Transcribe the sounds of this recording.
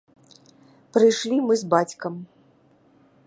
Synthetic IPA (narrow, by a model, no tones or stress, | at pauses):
pɾɨjʂlʲimɨzbat͡sʲkɐm